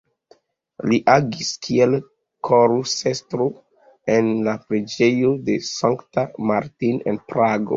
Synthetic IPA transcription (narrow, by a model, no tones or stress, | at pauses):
liʔaɡiskʰiel | kʰoɾusestɾo | enlapɾed͡ʒejode̞saŋktamaɾtinḛnpɾaɡo̰